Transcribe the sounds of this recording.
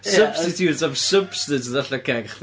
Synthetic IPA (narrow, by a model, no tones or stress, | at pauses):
səb̥stɪtʰjutɔvsəbstɨtðaɬakʰɛɡχ